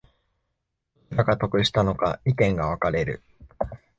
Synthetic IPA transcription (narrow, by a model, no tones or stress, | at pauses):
ɾakat̪o̞kɯ̟ɕi̥t̪ano̞ka̰ik̪ẽ̞ŋɡaβ̞akaɾe̞ɾɯ̟̰